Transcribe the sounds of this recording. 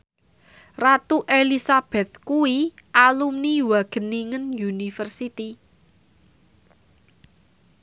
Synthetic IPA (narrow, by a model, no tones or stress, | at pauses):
rat̪uʔelisab̥ɛt̪̚kuiʔalumniwaɡ̥ə̤niŋənjunifərsit̪i